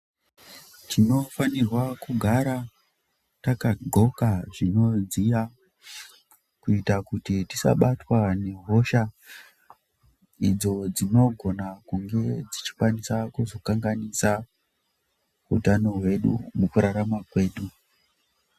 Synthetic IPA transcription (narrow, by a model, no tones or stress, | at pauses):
tʰino̞fanirwakuɡʱaɾa | takaɡʱo̞kaʐino̞ziʋa | kuitakutitisa̰ɓatwane̞ɦo̞ʃa | id͡zo̞d͡zino̞ɡʱo̞nakuŋɡe̞d͡zit͡ʃi̥kwanisakuzo̞kaŋɡanisa | ɦṵtano̞ɦwe̞ɗṵmukuɾaɾamakwe̞ːɗu